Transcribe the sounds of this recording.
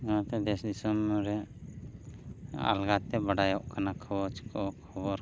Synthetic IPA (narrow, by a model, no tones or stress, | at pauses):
d͡ʒanat̪ɛd̪ɛsd̪isɔmɾɛ | a̰lɡat̪ɛbaɖajɔʔkʰanakʰɔɔt͡ʃkɔkʰɔbɔɾ